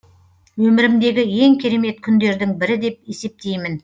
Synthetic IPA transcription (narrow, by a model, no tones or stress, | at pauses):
wɵmɪɾɪmd̪e̞ɡʲɪje̞ŋkʲʰe̞ɾe̞me̞t̪kʲʰʏnd̪e̞ɾd̪ɪŋbɪɾɪd̪e̞p̚e̞se̞p̚t̪e̞jmɪn